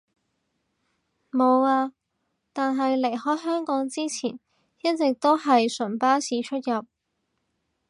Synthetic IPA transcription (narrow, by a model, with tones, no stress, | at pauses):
mo˨˧waː˧ | t̪aː˨nɦɐ˨jle˨˩jɦɔː˨˥jɦœː˥ŋkɔː˨˥ŋt͡siː˥t͡sʰiː˨˩n | jɐ˥t̚t͡sɪ˨k̚t̪o˥wɦɐ˨jsɵ˨˩npaː˥siː˨˧˥t͡ʃʰɵ˥t̚jɐ˨p̚